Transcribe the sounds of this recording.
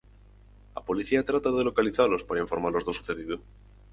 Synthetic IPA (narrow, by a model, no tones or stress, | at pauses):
a̰po̞liθiat̪ɾat̪aðelo̞kaliθaɾlospaɾaiɱfoɾmaɾlo̞zðosuθeðiðo